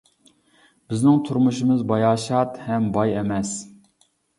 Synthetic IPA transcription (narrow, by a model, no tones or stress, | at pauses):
bɪznɪŋt̪ʰuɾmuʃɨmɨzbɑjɑːʃɑt̪hɛmbɑjɛmɛs